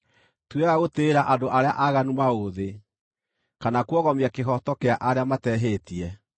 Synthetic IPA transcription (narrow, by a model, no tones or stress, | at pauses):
tweɣaɣoteːɾaʔandoʔaɾea̰ʔaɣanumaoðe | kanakwɔɣɔmiakeɦɔtɔkeaʔaɾeamatɛɦetiɛ